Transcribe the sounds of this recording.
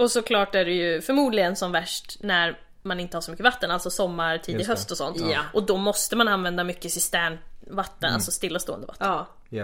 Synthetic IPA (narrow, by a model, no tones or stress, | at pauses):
ɔsɔkʰlɑːʈæɖɛjɵfœɾmuːd̪lɪɡənsɔmvæʂʈnæɾ | manɪnt̪əhaɾʂɔmʏkːəvat̪ːənalt̪sɔsɔmːaɾʈʰiːd̪ɪɦœst̪ɔsɔ̰nt̪ʔɔd̪ɔmɔst̪əmananvɛnd̪amʏkːəsɪst̪æːnvat̪ːəna̰lsɔst̪ɪlːast̪oːə̰nd̪əva̰t̪ː